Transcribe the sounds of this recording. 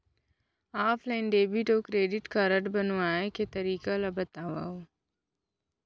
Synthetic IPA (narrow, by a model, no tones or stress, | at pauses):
aːpʰlaːɪnɖeːbiʈoːkɾeːɖɪʈkɐɾəʈbɐnoaːeket̪ɐɾiːkalɐbɐt̪aːʋa̰ːo